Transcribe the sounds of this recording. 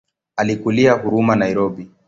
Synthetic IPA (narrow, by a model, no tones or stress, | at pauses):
alikuliahuɾumanaiɾɔbi